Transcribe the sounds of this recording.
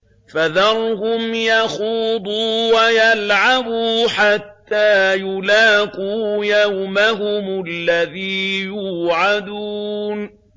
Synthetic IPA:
faðɑɾˤhʊmjaxuːd̪ˤuːwajalʕabuːħat̪ːaːjʊlaːqujawmaɦʊmʊlːaðiːjuːʕad̪un

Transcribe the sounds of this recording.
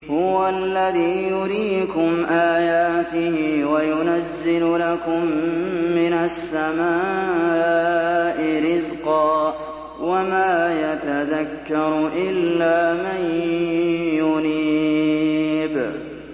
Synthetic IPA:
hʊwalːaðiːjʊɾiːkʊmʔaːjaːt̪ɪhɪwajʊnazːɪllakʊmː | ɪnasːamaː | ʔɪɾɪzqɑː | wamaːjat̪aðakːɑɾˤʔɪlːaːman | jʊniː | b

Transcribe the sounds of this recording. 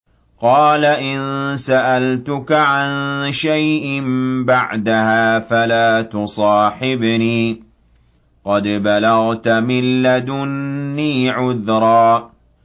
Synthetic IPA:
qɑːlaʔɪnsaʔalt̪ʊkaʕanʃajʔɪmbaʕd̪ahaːfalaːt̪ʊsˤɑːħɪbniː | qɑd̪balɑɣt̪amɪlːad̪ʊːiːʕʊðɾˤɑː

